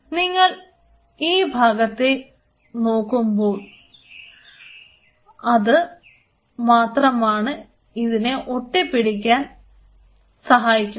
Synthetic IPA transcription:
niŋːɐɭ | iːbʱaːɡɐt̪ːe | no̞ːkːumbo̞ːɭ | ɐðɨ | maːt̪rɐmaːɳɨ | iðineʔo̞ʈːipiɽik̬ʲːaːn | sɐɦaːjikʲːu

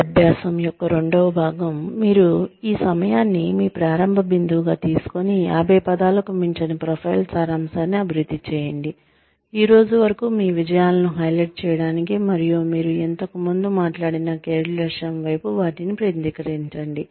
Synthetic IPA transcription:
ɐbʱjaːsɐmjɔkːɐɾo̞ɳɖoʋɐbʱaːɡɐmːiːɾuiːsɐmɐjaːnːimiːpɾaːɾɐmbʱɐbind̪ʱuʋɡaːt̪iːsu̥koniaːbɛːpɐd̪aːlɐkumiɲt͡ʃɐnipɾopʰɐjlsaːɾaːmsaːniɐbʱiɾud̪ːit͡ʃɛːjɐɳɖi | iːɾo̞ːd͡ʒuʋɐɾɐkumiːʋid͡ʒɐjaːlɐnuɦɐjleʈ̚t͡ʃɛːjɐɽaːnikimɐɾijumiːɾuent̪ɐkɐmund̪umaːʈlaːɽinɐkeːɾileɾʂɐnʋɐjpuʋaːʈinipɾet̪d̪ikɐɾiɲt͡ʃɐɳɖi

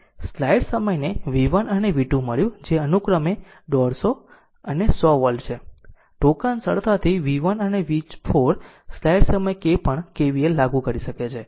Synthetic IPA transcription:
slajɽsəməjneʋiʋənəneʋiʈũməɭjũd͡ʒeənukɾəme | ɖɔɾso | ənesɔʋəlɖt͡ʃʰe | ʈokansəɭt̪ʰat̪ʰiʋiʋənəneʋit͡ʃpʰoɾ | slajɽsəməjkepəɳkeʋielaɡũkəɾiʃəket͡ʃʰe

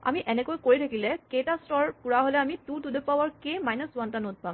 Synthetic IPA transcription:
a̰miʔɛnɛkojkoɹitʰakilɛketastɔɹkuɹaɦolɛamitutud̪ʱepawaɹkemajnəswɔntanot̪̚pam

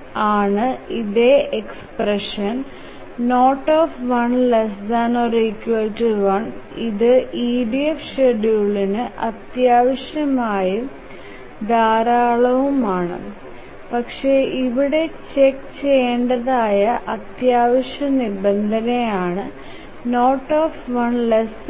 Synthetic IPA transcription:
aːɳɨiðe̞ekspreʂɐnː | o̞ːʈːoːfʋɐnlesd̪ɐnorikːjuɐltuʋɐɳiðɨʔiːɖiefʂeɖjuːɭinɨʔɐt̪jaːʋɐɕjɐmaːjɐ | d̪ʱaːɾaːɭɐʋumaːɳɨ̰ | pɐkʂe̞ʔiʋiɽe̞t͡ɕekːt͡ɕe̞jeɳɖɐðaːjɐʔɐt̪jaːʋɐʂjɐnibɐnd̪ʱɐnejaːɳɨ | no̞ːʈːoːfʋɐnles

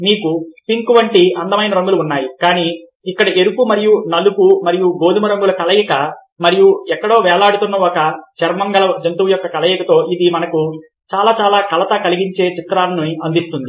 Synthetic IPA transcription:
niːkupiŋkuʋɐɳʈiʔɐnd̪ɐmɐjnɐɾɐŋɡuluːnːaːjikaːniː | kːɐɽɐʔeɾupumɐɾijunɐlupumɐɾijuɡo̞ːd̪imɐɾɐŋɡulɐkɐlɐjɐkɐ | mɐɾijuɛkːɐɽo̞ːʋɛːɭaːɽut̪unːɐɔkɐt͡ʃɛɾmɐŋɡɐlɐd͡ʒɐnt̪uʋɐjɔkːɐkɐlɐjɐkɐt̪o̞ːʔid̪imɐnɐku | t͡ʃaːlaːt͡ʃaːlaːkɐlɐt̪ɐkɐliɡiɲt͡ʃe̞ːt͡ʃit̪ɾaːɾɐnuɐnd̪ist̪und̪i

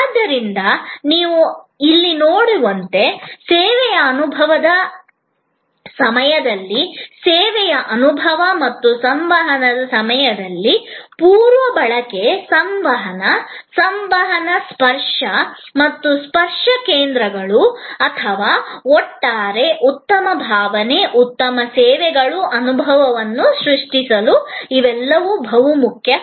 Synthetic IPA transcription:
d̪ːɐɾind̪ɐniːʋuilːinoːɽuʋɐnt̪e̞seːʋɛjɐːnubʱɐʋɐd̪ɐ | sɐmɐjɐd̪ɐlːiseːʋɛjɐʔɐnubʱɐʋɐmɐt̪ːusɐmʋɐɦɐnɐd̪ɐsɐmɐjɐd̪ɐlːipuːɾʋɐbɐɭɐke̞sɐmʋɐɦɐnɐsɐmʋɐɦɐnɐspɐɾʂɐmɐt̪ːuspɐɾʂɐkeːnd̪ɾɐɡɐɭuɐt̪ʰɐʋaːɔʈːaːɾe̞ʔut̪ːɐmɐbʱaːʋɐneʔut̪ːɐmɐseːʋɛɡɐɭuʔɐnubʱɐʋɐʋɐnːuʃɾuʂʈisɐluiʋɛlːɐʋubʱɐʋumukʰjɐ

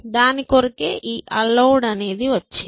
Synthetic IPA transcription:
d̪aːnikoɾikeːʔiːʔɐlːɐwɖɐne̞ːd̪iʋɐt͡ʃːi

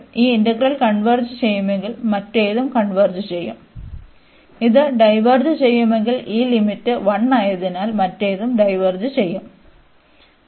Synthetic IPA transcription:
iːindɐɡrɐlkɐɳʋɐrd͡ʑɨt͡ɕejːumeŋɡilmɐtːeːðumkɐɳʋɐrd͡ʑɨt͡ɕejːṵm | iðɨɖɐjʋɐrd͡ʑɨt͡ɕejːumeŋɡiliːlimitːɨʋɐɳːaːjɐðinaːlmɐtːeːðumɖɐjʋɐrd͡ʑɨt͡ɕejːum

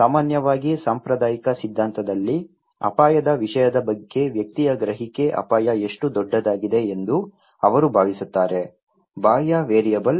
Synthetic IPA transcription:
saːmaːnjɐʋaːɡisaːmpɾɐd̪aːjikɐsid̪ʱːaːnt̪ɐd̪ɐlːi | ɐ̰paːjɐd̪ɐʋiʂɐjɐd̪ɐbɐɡːe̞ʋjɐk̚t̪ijɐɡɾɐɦike̞ʔɐ̰paːjɐeʂʈud̪ɔɖːɐd̪aːɡid̪e̞ːnd̪u | ɐʋɐɾubʱaːʋisut̪ːaːɾe | baːjɐʋeːɾijɐbɐl

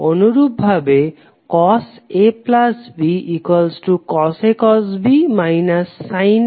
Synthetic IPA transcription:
onuɾubbʱabe | kɔseplasbiikwalsʈukɔsekɔsbimajnasːajn

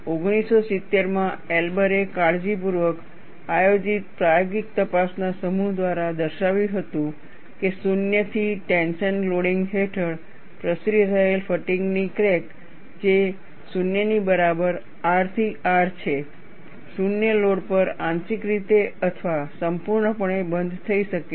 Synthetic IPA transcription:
oɡnisosɪt̪ːeɾmãelbəɾekaɽd͡ʒip̬uɾʋək | ajod͡ʒit̪̚pɾajoɡik̚t̪əpasnasəmuɦd̪ʋaɾad̪əɾʃaʋjũɦət̪ũ | kesunjət̪ʰiʈẽnʃənloɽiŋɡɦeʈʰəɭ | pɾəsɾiəɾəɦelfəʈiŋɡnikɾek | d͡ʒe | sunjənibəɾabəɾ | aɾt̪ʰiʔaɾt͡ʃʰe | sunjəloɽpəɾãnsikɾit̪eət̪ʰʋasəmpuɾɳəpəɳebənd̪ʱt̪ʰəiʃəkːe

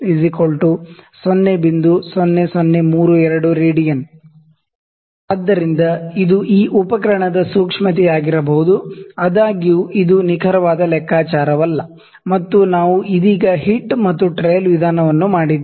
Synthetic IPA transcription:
izikolʈusonːebind̪usonːesonːemuːɾuɛɾɐɽuɾiːɽijɐn | aːd̪ːɐɾind̪ɐid̪uʔiːʔupɐkɐɾɐɳɐd̪ɐsuːkʂmɐt̪̬iaːɡiɾɐbɐɦud̪uɐd̪aːɡijuʔid̪unikʰɐɾɐʋaːd̪ɐlɛkʰːaːt͡ʃaːɾɐʋɐlːɐ | mɐt̪ːunaːʋuʔid̪iːɡɐɦiʈːmɐt̪ːuʈɾejlʋid̪ʱaːnɐʋɐnːumaːɽid̪ː

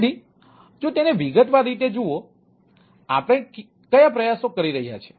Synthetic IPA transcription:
ɽi | d͡ʒõt̪eneʋiɡət̪ʋaɾit̪̬ed͡ʒuo | apəɽ̃e | kəjapɾəjasokəɾiɾəɦija̰t͡ʃʰe̥

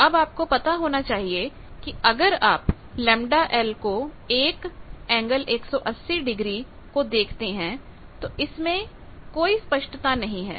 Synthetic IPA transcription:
ɐbaːp̚kopɐt̪aɦoːnat͡ʃaːɦie | kiɐɡəɾaːp | lɛ̃ːmɖaʔɛːlko | eːkɛ̃ːŋɡəleːksɔʔɐsːiɖɪɡɾi | kod̪eːkʰt̪eɦɛ̃ | t̪oʔɪsmẽ | koːispɐʃʈət̪anɐɦĩɦɛ̰ː

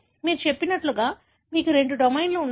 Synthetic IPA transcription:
miːɾut͡ʃe̞pːinɐʈluɡaː | miːkuɾe̞ɳɖuɖomejnloːunː

